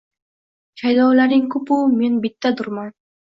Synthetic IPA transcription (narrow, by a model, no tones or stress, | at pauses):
t͡ʃʰajd̪ɔwlaɾɪŋkʰʊpumenbit̪ːad̪ʊɾmɑn